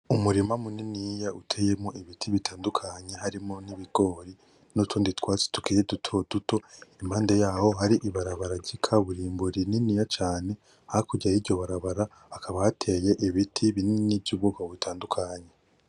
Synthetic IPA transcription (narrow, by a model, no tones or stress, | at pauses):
umuɾimamuninijautʰeje̞moiβitʰiβitʰaːndukʰaɲe̞haɾimoniβiɡ̥o̞ːɾi | nutʰuːnditwaːt͡se̥tu̥kiɾedutʰod̥uto̞imhaːnde̞jaːho̞ɦaɾiʔiβaɾaβaɾaɟikʰaβuɾiːmbuɾininijat͡ʃaːne̞ | hahakuɾɟajiɟo̞βaɾaβaɾa | akʰaβahatʰe̞je̞ʔiβitʰiβinininivjuβuɡaβitʰaːndukʰaːɲe̞